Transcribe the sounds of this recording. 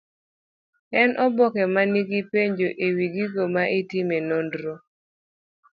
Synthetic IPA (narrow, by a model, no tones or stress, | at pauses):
ɛnʔɔbɔkɛmaniɡipeɲd͡ʒoʔewiɡiɡomaʔitimenondɾo